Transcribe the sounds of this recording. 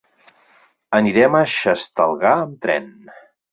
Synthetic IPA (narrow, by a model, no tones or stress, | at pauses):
əniɾɛməʃəst̪əlˠɣaəmt̪ɾɛ̰n